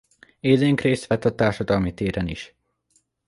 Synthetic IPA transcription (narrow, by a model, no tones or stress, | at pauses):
eːzeːŋkreːst̪ʋɛt̪ːɒt̪aːrʃɒd̪ɒlmit̪eːɾɛnḭʃ